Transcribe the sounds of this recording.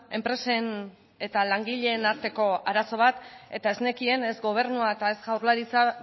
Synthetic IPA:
e̞mpɾe̞se̞n | e̞t̪alaŋɡiʎe̞ːnaɾt̪e̞ko̞aɾaso̞β̞at̪e̞t̪ae̞zne̞kie̞ne̞zɡo̞β̞e̞ɾnuaet̪aezɣawɾlaɾit͡sa

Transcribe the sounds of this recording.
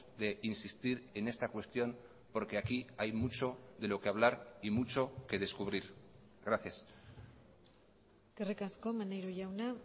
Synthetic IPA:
ðe̞insist̪iɾe̞ne̞st̪akwe̞st̪jo̞n | po̞ɾke̞akiajmut͡ʃo̞ðe̞lo̞ke̞aβ̞laɾimut͡ʃo̞ke̞ð̞e̞skuβ̞ɾiɾ | ɣɾaθjas | kerekasko̞manejɾuʝawna

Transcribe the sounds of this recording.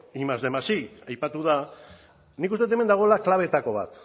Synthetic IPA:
imazðemasiajpat̪uða | nikust̪e̞t̪eme̞nd̪aɣ̞o̞elaklaβe̞t̪ako̞βa̰t̪

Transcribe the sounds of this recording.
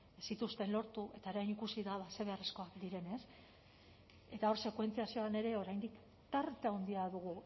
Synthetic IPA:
sit̪ust̪e̞nlo̞ɾt̪uʔe̞t̪aoɾajnikusiðaβase̞βe̞aresko̞akd̪iɾe̞ne̞s | e̞t̪ao̞ɾse̞kwe̞nt͡siasio̞ane̞ɾe̞o̞ɾajnd̪ik | t̪aɾt̪eawnd̪iaðuɣ̞u

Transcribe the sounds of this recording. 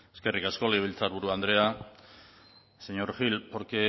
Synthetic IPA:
eske̞rikasko̞leβ̞elt͡saɾβuɾuand̪ɾe̞a | seɲo̞ɾxilpoɾke

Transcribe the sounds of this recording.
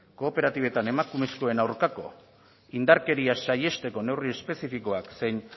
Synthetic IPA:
ko̞ːpe̞ɾat̪iβ̞e̞t̪ane̞makume̞sko̞e̞nawɾkako̞ | ind̪aɾke̞ɾiasaje̞st̪e̞ko̞ne̞wrie̞spe̞sifiko̞akse̞jn

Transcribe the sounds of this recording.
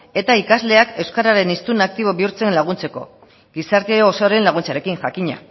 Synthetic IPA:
e̞t̪aikazle̞ake̞wskaɾaɾe̞nist̪unak̚t̪iβ̞o̞βiuɾt͡se̞nlaɣ̞unt͡se̞ko̞̰ | ɡisaɾt̪eoːsoɾe̞nlaɣ̞unt͡saɾe̞kiŋʝakiɲa̰

